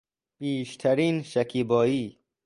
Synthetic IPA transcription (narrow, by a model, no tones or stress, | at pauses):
b̥iːʃt̪ʰæɾiːnʃækʰiːbɒːiː